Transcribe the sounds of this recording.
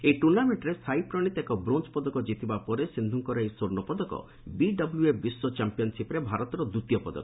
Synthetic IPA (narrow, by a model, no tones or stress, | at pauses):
ejʈuɾnameɳʈɾesʰajpɾɔɽ̃it̪ekɔbɾont͡ʃpɔd̪ɔkɔd͡ʒit̪ibapɔɾesind̪ʱuŋkɔɾaeijsoɾnɔpɔd̪ɔkɔ̰ | biɖɔbuljuebiswɔt͡ʃampijɔnsipɾebʱaɾɔt̪ɔɾɔd̪ut̪jɔpɔd̪ɔ̰kɔ̥